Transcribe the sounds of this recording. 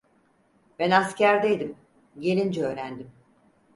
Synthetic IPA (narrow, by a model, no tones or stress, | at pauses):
bænascæɾd̪ejd̪im | ɟe̞lʲind͡ʒɛøːɾænd̪im